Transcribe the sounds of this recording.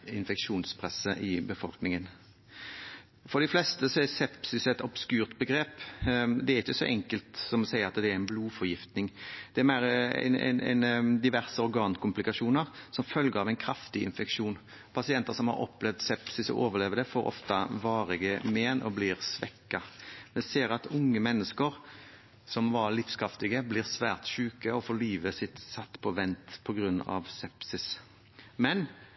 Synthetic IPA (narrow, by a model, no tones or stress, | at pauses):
ɪnfɛkʂuːnspʰɾɛsːəʔɪbəfɔlknɪŋən | fɔɾd̪ɪflɛst̪əsɔɛsɛpsɪsɛt̪ɔb̥skʉːʁt̪bəɡɾeːpd̪ɛæɾɪçːəsɔ̰ʔɛŋkəlt̪sɔmɔsæɪəɾɑt̪d̪ɛæɾæɪnbluːfɔʁjɪft̪nɪŋd̪̥ɛæmæɪɾə̰nɛ̰nɛ̰nd̪ɪʋæʁsəɔɾɡɑːnkʊmplɪkɑʂuːnəɾsɔmfœlɡəɾɑʋæɪnkʰɾɑft̪ɪɪ̰nfɛkʃuːn | pʰɑsɪɛnt̪əɾsɔmhɑ̰ɾɔ̰pːlɛʋd̪sɛpsɪsɔ̰ʔoːʋəɾleːʋəd̪ɛfoːɾɔ̰ft̪ɑʋɑːɾɪɡəmeːnʔɔ̰blɪʁsʋɛkːɑʋɛseːɾɑt̪ʊŋːəmɛnːəskəɾ | sɔmʋɑɾlɪfskʰɾɑft̪ɪɡəblɪːʁsʋæːʁt̪ʃʉːkəɔfoːliːʋəsɪt̪sɑt̪ːpʰɔʋɛnt̪pʰɔɡɾʉnːɑ̰ʋsɛpsɪs | mɛn